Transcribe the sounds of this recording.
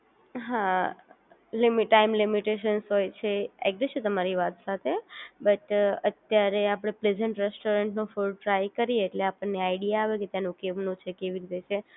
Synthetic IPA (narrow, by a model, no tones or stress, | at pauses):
ɦã | limiʈaimlimiʈeʃənsɦojt͡ʃʰeḛɡ̚d͡ʒet͡ʃʰũt̪əmaɾiʋat̪sat̪ʰebəʈət̪jaɾeapɽ̃epled͡ʒəɳʈɾesʈoɾəɳʈnũfulʈɾajkəɾieːʈleapəɳneaiɽijaːʋeket̪janũkeʋnũt͡ʃʰekeʋiɾit̪et͡ʃʰe